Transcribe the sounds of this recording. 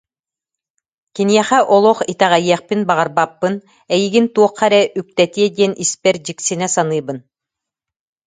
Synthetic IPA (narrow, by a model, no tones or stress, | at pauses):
kiniɛχɛʔɔlˠɔχit̪ɛʁɛjiɛχpinbaʁaɾbapːɯn | ɛjiɡint̪uɔqːaɾɛʔyk̚t̪ɛt̪iɛd̪iɛnʔispɛɾd͡ʑiksinɛsanɯːbɯn